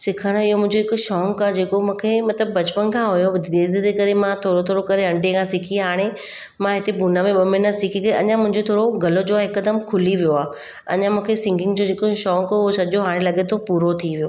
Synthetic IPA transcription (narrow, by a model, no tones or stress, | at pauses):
sɪkʰəɽ̃ɪɦomʊ̃ɦɪ̃ɲd͡ʑoɦɪkʊʃɔːŋkaːd͡ʑeːkomũːkʰemɐt̪ləbbɐt͡ɕpənkʰãɦʊjod̪eːd̪ʱid̪ekɐɾemãt̪ʰoːɾot̪ʰoːɽokɐɾeɐ̃ɳɖekʰãsɪkʰiɦaːɽ̃e | mãɦɪt̪ebunəmẽɓɐmɪnəsɪkʰikɾeʔɐ̰ɲãmʊ̃ɦɪ̃ɲd͡ʑot̪ʰoːɽoɡɐlod͡ʑoːaɦɪkːəd̪əmkʰʊliʋijoaː | ɐ̰ɲãmũːkʰesɪ̃ŋɡɪ̃ŋɡd͡ʑod͡ʑeːkoʃɔːŋkːsɐʄoɦaːɽ̃ẽlɐɠet̪ʰopuːɾot̪ʰiʋijoː